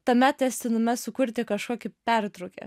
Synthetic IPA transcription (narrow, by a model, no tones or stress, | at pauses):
t̪ɐmʲɛt̪jʲɛsʲt̪ʲɪnʊmʲɛsʊkʊɾʲt̪ʲɪkɐʃkuɔkʲɪpʲæɾʲt̪ɾoʊkʲḛ